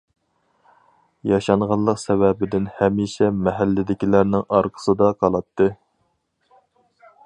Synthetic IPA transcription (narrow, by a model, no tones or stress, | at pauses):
jɑʃɑɴʁɑllˠəqsɛvɛbɪd̪ɪnhɛmiʃɛmɛɦælːɪd̪ɪkʲilæɾnɪŋɑɾqʰə̥sɨd̪ɑqʰɑlˠɑt̪ʰːɨ